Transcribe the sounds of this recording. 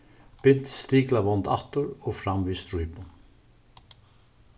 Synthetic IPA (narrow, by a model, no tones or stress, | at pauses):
pɪn̥t̪st̪iːklavɔnt̪a̰ht̪ʊɾɔɣfɾamvist̪ɾujpʊn